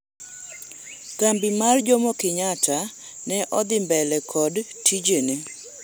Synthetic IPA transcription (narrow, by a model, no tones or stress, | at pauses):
kambɪmard͡ʒomokɪɲata | nɛʔɔd̪ɪmbɛlɛkʰɔd | tʰid͡ʒene